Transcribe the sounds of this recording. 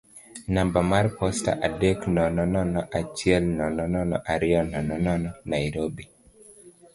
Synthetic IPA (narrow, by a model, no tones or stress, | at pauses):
nambamarpɔsta̰ʔadeknɔnɔnɔnɔʔat͡ʃɪɛlnɔnɔnɔnɔʔaɾɪɔnɔnɔnɔnɔnajiɾobi